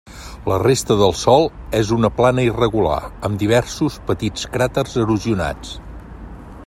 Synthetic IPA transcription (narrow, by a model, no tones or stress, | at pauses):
lərest̪əðəlˠsɔlˠɛzunəplanəirəɣula̰əmd̪iβ̞ɛɾsuspət̪it͡skɾat̪ərzəɾuziuna̰t͡s